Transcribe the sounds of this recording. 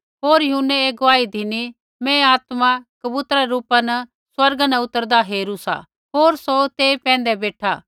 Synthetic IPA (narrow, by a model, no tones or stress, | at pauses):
ɦoːɾjɐɦʊnːeeːɡoaːid̪ʱɪni | mɛ̃aːt̪makɐbut̪ɾaɾuːpanɐ | swɐɾɡnɐʊt̪ːəɾd̪aɦeːɾusa̰ | ɦoːɾsot̪eːpɛ̃ːn̆d̪ɛbeːʈʰa̰ː